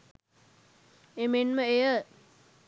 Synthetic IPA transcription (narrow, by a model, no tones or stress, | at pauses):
emenməejə